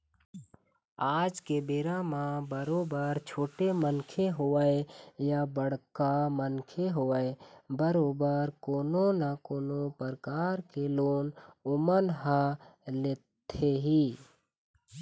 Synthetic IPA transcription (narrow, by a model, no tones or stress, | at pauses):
aːd͡ʒkebeːɾamãbəɾoːbəɾt͡ʃʰoːʈemənkʰeɦoːəejabəɽ̤kamənkʰeɦoəebəɾoːbəɾkoːnonakoːnopəɾkaːɾkeloːnʊmənɦaleːt̪ʰeɦiː